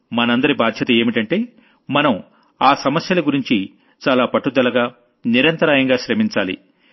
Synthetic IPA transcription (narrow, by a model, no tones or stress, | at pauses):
mɐnɐɐnd̪ɐɾibaːd̪ʱjɐt̪ɐeːmiʈɐɳʈe̞ː | mɐnɐm | aːsɐmɐsjɐlɐɡuɾiɲt͡ʃi | t͡ʃaːlaːpɐʈːud̪ɐlɐɡaː | niɾɐnt̪ɐɾaːjɐŋɡaːʃɾɐmiɲt͡ʃaːlḭ